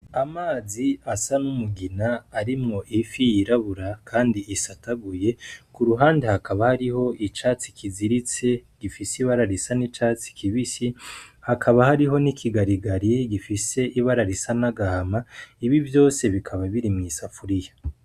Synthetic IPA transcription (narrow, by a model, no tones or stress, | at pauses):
amaːziasanumuɡinaːɾimŋo̞ʔifijiɾaβuɾakʰaːndiisataɡuje̞kuɾuɦaːndehakaβahaɾiho̞ʔit͡ʃat͡si̥kʰiziɾit͡se̞ɡ̥ifisiβaɾaɾisanit͡ʃat͡si̥kiβisihakʰaβahaɾiɦo̞nikʰiɡaɾiɡaɾiɡifise̞ʔiβaɾaɾisanaɡahamaiβivjo̞ːse̞βikʰaβaβiɾimŋisafuɾija